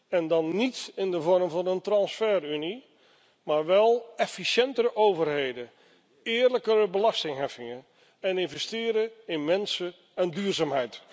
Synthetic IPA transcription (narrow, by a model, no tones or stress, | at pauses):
ɛndɑnːitɪndəvɔɹmvɑnəntrɑnsfɛryni | maːɹʋɛlˠɛfiʃɛntəɾəʔowvərɦejdə | ɪːɹləkəɾəbəlɑstɪŋɦɛfɪŋən | ɛnɪnvɛstɪːɾəɪnmɛnsə | ɛndyːɹzaːmɦɛjt